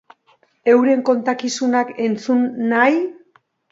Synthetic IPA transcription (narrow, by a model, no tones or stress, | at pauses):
e̞wɾe̞ŋko̞nt̪akisunake̞nt͡sunːaj